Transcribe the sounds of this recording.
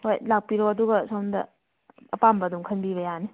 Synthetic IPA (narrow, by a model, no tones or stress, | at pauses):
hojlak̚piɾoɐduɡɐsawndɐ̰ | ɐpambɐːdumkʰɐnbibɐjani